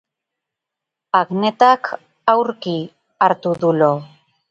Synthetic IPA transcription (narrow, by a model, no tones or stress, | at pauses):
aɣne̞t̪akʰ | awɾki | aɾt̪uðulo